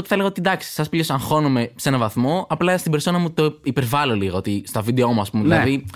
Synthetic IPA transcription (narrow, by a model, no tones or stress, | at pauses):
ot̪i̥θɐeleɐo̞t̪id̪ɐksi̥sɐsplʎosɐŋxo̞nume̞se̞nɐvɐθmo̞ɐplɐst̪ibe̞ɾso̞nɐmut̪o̞ipe̞ɾvɐlo̞liɣoot̪ist̪ovid̪eo̞muɐspumeðilɐði